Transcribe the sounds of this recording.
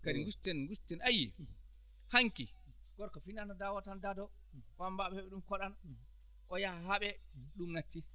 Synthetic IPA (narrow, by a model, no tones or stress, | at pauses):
kadiŋɡustɛnɡustɛnajːḭ | haŋki | ɡ̥ɔɾkɔfinanɔdawatandadɔ | wambaɓɛɛɓɛɗumkɔɗan | ʔɔjaaɦaɓɛɗumnatːi